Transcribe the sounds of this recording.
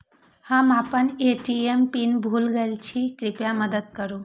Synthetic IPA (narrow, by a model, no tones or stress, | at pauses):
hamapəneʈiempinbʱulɡelt͡ɕʰikɾipjaməd̪əd̪̚kəɾu